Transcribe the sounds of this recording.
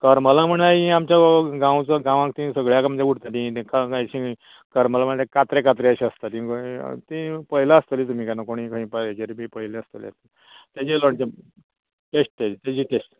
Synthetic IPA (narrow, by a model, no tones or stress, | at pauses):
kəɾməlam̤əɳaɦĩamt͡ɕjaɡãwt͡səɡãʋãkt̪ĩsəɡɭjakaməd͡ʑeɡuɽt̪at̪ĩkakajɕĩ | kəɾməlaməɳd̪ekat̪ɾekat̪ɾeəɕiəst̪at̪ĩt̪ĩpəɦilaəst̪əlit̪um̤iːkanakoɽ̃ĩkəɦĩpəlet͡ɕeɾibʱipəɦileəst̪əliə̰st̪i | t̪jad͡ʑiloɳt͡ɕe | ʈesʈ̚t̪jad͡ʑit̪jad͡ʑiːʈesʈ